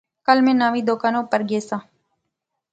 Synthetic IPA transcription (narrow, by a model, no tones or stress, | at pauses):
kəlmẽːnaːʋĩːd̪oːkaːnõːpəɾɡeːsãː